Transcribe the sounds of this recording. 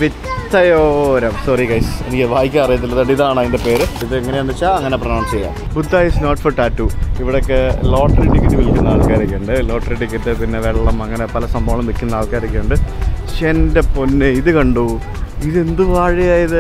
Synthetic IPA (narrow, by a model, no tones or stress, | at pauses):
ʋi | t̪ːɐjoːɾɐmsoːriɡɐjsenikʲːʋaːjikʲːamɐrijɐt̪ːilːɐðɐɖiðaːɳaðindepe̞ːɾiðɨeŋːɐneɐɳɖ̪it͡ɕːaɐŋːɐneprɐnaːnst͡ɕejːa̰ːmbud̪ʱːaːjisnoːʈfɐrʈaːtːuiʋiɽejokːelo̞ːʈːɐriʈːikʲːit̪ːiʋilkʲːunːɐnaːɭkaːiɾɐkʲːeːɳɖɨloːʈriʈːikʲːɐt̪ːɨpinːe̞ʋeɭːɐmɐŋːɐne̞pɐlɐsɐmbʱɐːɐɭɐmnikʲːunːɐnaːɭkaːiɾikʲːeːuɳɖɨɕendeponːɨiðɨkɐɳɖu | iðe̞nd̪uʋaːɻijaːjɐðɨ